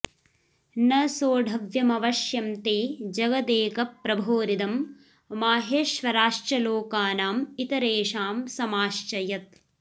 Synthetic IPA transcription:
nɐsoːɖʱɐʋjɐmɐʋɐʃjɐmt̪eːd͡ʒɐɡɐd̪eːkɐpːɾɐbʱoːɾid̪ɐm | maːɦeːʃʋɐɾaːʂʈɾɐloːkaːnaːmit̪ɐɾeːʂaːmsɐmaːʃt͡ʃɐjɐt̪̚

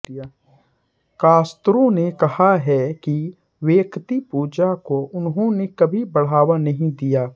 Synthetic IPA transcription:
jaː | kaːst̪ɾõnekɐhaɦɛki | ʋeːkt̪ipuːd͡ʒakoʔʊnɦõnekɐbʱibɐɽ̤aːʋanɐɦĩd̪ijaː

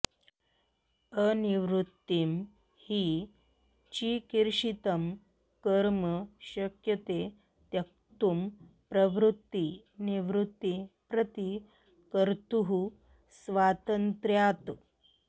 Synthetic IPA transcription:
əniʋɾut̪ːim | hi | t͡ɕikiɾʂit̪əm | kəɾməɕəkjət̪e | t̪jɐk̚ | t̪umpɾəʋɾut̪ːi | niʋɾut̪ːipɾət̪i | kəɾt̪uɦu | sʋat̪ənt̪ɾjat̪

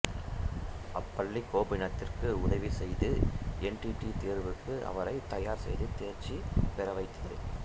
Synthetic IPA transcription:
ʔɐpːɐɭːikoːbɪnɐt̪ːɪrkɯʊðɐɪʋisɛjðɯɛɳʈiʈːit̪iːɾʋɯkːɯʔɐ̰ʋɐɾɐɪt̪ːɐjaːɾsɛ̰jðɯt̪eːɾt͡ʃipɛɾɐʋɐɪt̪ːɐɐɯ

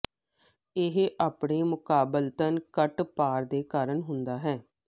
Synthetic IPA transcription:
ɪɦʔaːpɽeːmʊkaːbəlt̪ənkəʈpaːɾd̪eːkaːɾəɳɦʊnd̪aːɦɛː

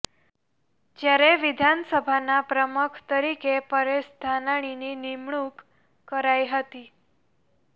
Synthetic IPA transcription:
d͡ʒjaɾeʋid̪ʱansəbʱanapɾəmukʰt̪əɾikepəɾesd̪ʰʱanaɽ̃ininimɳuk | kəɾajɦət̪i

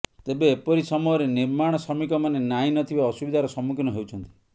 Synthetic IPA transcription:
t̪ebeːpɔɾisɔmɔɔɾeniɾmaɽ̃ɔsɔmikɔmanenainɔt̪ʰibeɔsubid̪ʱaɾɔsɔmukʰinɔɦewt͡ʃʰɔnt̪i̥

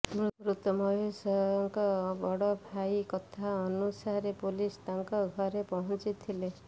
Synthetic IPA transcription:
mɾuɾut̪ɔmɔɦusɔŋkɔbɔɽɔbʱajkɔt̪ʰaɔnusaɾepulist̪aŋkɔɡʱɔɾepɔɦɔnt͡ʃit̪ʰile

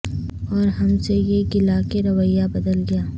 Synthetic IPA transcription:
ɔːɾɦɐmsejeɡɪlakeɾɐʋəjːabɐd̪əlɡɐjaː

